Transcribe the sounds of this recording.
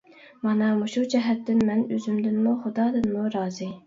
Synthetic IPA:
mɑnɑmuʃud͡ʒɛɦɛt̪ːɪnmɛnøzymd̪ɪnmuχʊd̪ɑːd̪ɨnmuɾɑːzɨ

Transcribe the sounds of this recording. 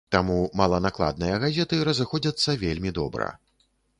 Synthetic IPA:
t̪amumɐlˠɐnaklˠa̰d̪̚nɨjɐɣazʲɛt̪ɨɾɐzɨxɔd͡zʲɐt̪sːɐvʲelʲmʲid̪ɔbɾɐ̰

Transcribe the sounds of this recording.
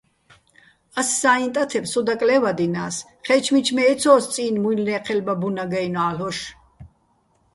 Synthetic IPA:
assaːint̪ʼat̪ʰɛpsɔd̪akʼlɛvad̪inaːs | χɛt͡ʃʰmit͡ʃʰmɛːt̪t͡sʰɔːst͡s̪ʼiːnmuilnɛːqʰɛlbabunaɡajnɔalɔʃ

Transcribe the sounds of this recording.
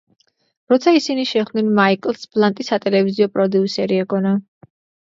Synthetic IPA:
ɾɔt̪sʰaisiniʃɛχnɛnmaikʼlˠsb̥ʼlˠant̪ʼisat̪ʼɛlɛviziɔpʼɾɔd̪iusɛɾiɛɡɔna

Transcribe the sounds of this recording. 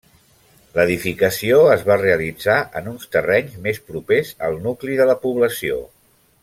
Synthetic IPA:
ləðifikəsioəzβareəlid͡zaʔə̰nunst̪ərɛɲzmespɾupezə̰lˠnukliðələpuβləsio̰

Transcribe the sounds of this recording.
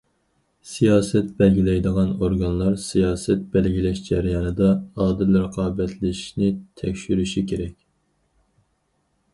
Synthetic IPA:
sijɑːsɛt̪̚bɛlɡʲilɛjd̪əʁɑnoɾɡɑnlˠɑɾsijɑːsɛt̪̚bɛlɡʲilɛʃd͡ʒɛɾjɑːnɨd̪ɑːd̪ɨlɾəqʰɑːbɛt̪ʰlɪʃnɪt̪ʰɛkʲʃyɾyʃikʰʲeɾɛkʲ

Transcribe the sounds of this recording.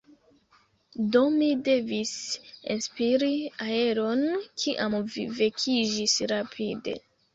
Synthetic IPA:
do̞mide̞visinspiɾiae̞ɾonkʰiʔamvive̞kʰid͡ʒisɾapʰide̞̰

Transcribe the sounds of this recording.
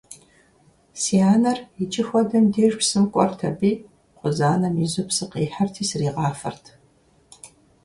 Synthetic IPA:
siaːnɐrit͡ʃʼɪxʷɔdɐmdeːʒpsɨmkʷʼɔ̰rtʰɐbiː | qʷʊzaːnɐmizupsɨqeːħɐrtʰiːsriːʁɑːfɐ̰rtʰ

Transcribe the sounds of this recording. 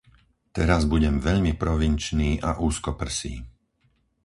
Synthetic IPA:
t̪ɛɾazbuɟɛmʋɛʎmipɾɔʋint͡ʃniːʔaʔuːskɔpr̩sḭː

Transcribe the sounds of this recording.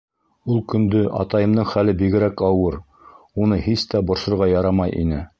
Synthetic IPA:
ulˠkɵ̆nd̪ɵʔɑ̰t̪ɑjɤ̆md̪ɤɴχælɘbiɡɘ̆ɾækɑwɤɾ | unɤhist̪æbŏɾʃŏɾʁɑjɑɾɑmɑjʔḭnɘ

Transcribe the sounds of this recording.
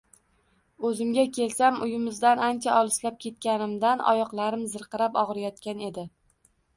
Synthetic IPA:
ɵzɪmɡʲakʲe̞lsamʊjɪmɪzd̪anant͡ʃʰaʔɒlˠɪslap̚kʲe̞t̪̚kʲanɪmd̪anʔɒ̰jɒqlˠaɾɪmzɨɾqɨɾapɒʁɾajɒt̪kʲane̞d̪ɪ

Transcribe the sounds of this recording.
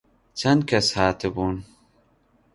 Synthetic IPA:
t͡ʃɐnd̪̚kɐshaːt̪ʰɨbuːn

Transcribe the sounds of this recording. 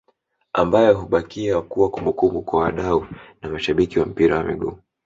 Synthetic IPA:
ambajɛɦuɓakiakuwakumbukumukwawaɗaunamaʃaɓikiwam̩piɾawamḭɠuː

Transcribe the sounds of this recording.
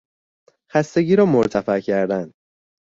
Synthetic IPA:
xæst̪e̞ɡiːɾɒːmoɾt̪ʰæfæʔcʰæɾd̪æn

